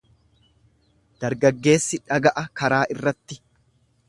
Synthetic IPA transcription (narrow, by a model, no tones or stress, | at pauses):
d̪̥ɐɾɡɐɡːe̞ːsːɪᶑɐɡɐʔɐkɐɾaːʔɪrːɐt̪ːɪ